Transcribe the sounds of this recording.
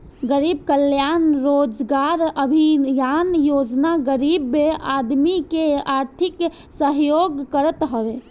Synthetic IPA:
ɡəɾib̚kəljanɾod͡ʒɡaɾəbʱijanjod͡ʒnaɡəɾibːead̪mikeaɾt̪ʰik | səɦjoɡkəɾət̪ɦəbe

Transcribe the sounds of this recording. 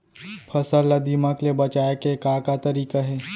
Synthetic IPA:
pʰɐsəlːad̪imaklebɐt͡ʃaːjekekaːkat̪ɐɾiːkaɦɛː

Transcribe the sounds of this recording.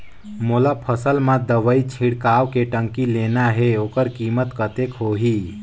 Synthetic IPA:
mʊlapʰəsəlmãd̪əʋəit͡ʃʰiɽkaːwkeʈə̃ŋkileːnaɦeoːkəɾkiːmət̪kət̪ekɦoːɦi

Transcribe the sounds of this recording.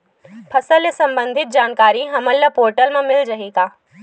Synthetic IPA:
pʰɐsəlesɐ̃mbə̃nd̪ʱɪt̪̚d͡ʒaːnkaːɾiɦɐməllɐpoːɾʈəlmãmɪlɾɐɦiːkaː

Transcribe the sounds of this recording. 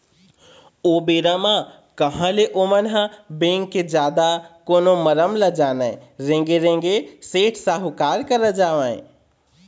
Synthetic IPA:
obeɾamã | kəɦə̃leʔomənɦãbẽŋkːed͡ʒjaːd̪akoːnoməɾəmləd͡ʒaːnəɾẽŋɡeɾẽŋɡeseʈʰsaɦukaːɾkəɾəd͡ʒaːʋə̃ɪ̃

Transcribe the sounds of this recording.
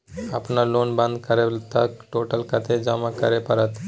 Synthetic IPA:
apnaɾlonbãnd̪kəɾelt̪akʈoʈəlkʰat̪ʰed͡ʒamakəɾepəɾət̪

